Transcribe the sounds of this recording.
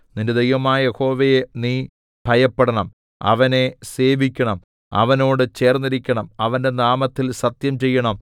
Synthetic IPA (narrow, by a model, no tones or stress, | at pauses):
ninded̪ɐjʋɐmaːjɐjeho̞ːʋejeniː | b̥ʱɐjɐpːeɽɐɳɐm | ɐ̰ʋɐne̞se̞ːʋikʲːɐɳɐm | ɐ̰ʋɐno̞ːɽɨt͡ɕe̞ːrnːiɾikʲːɐɳɐmɐʋɐnde̞naːmɐt̪ːilsɐt̪jɐmt͡ɕe̞jːɐɳɐm